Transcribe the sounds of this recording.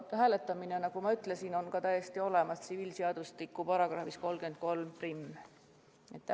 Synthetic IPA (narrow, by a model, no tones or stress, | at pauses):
hæːle̞t̪ːˑɑminenɑɡ̥umɑyt̪ˑle̞sino̞nkɑt̪æjest̪io̞le̞mɑst̪siviːlseɑd̪̥ust̪ikːˑupɑɾɑɡ̥rɑhfisko̞lɡ̥e̞n̚ko̞lmprimː | et̪ː